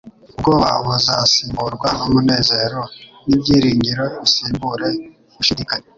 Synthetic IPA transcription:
ub̚ɡoːβa̰βuzasiːmbuɾɡwaomune̞ːze̞ːɾonibɟiːɾiːɲɟiɾo̞βisiːmbuɾe̞ | βuʃidikaɲe

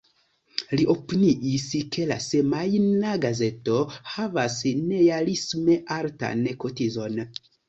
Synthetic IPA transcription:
liʔo̞piniʔiskʰe̞lase̞majnaɡaze̞to̞havasne̞jalisme̞ʔaɾta̰nko̞tizo̞n

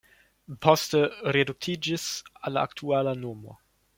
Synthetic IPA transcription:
pʰostəɾeduk̚t̪ʰid͡ʒisalaa̰ktʰualanoːmo̰

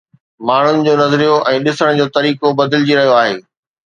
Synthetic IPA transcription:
maːɳ̤ʊnɪ̆d͡ʑoːnɐzɾijoʔɛ̃ːɗɪsəɽ̃d͡ʑoːt̪ɐɾiːkobɐd̪ɪld͡ʑiɾɐɦijoaːɦḛː

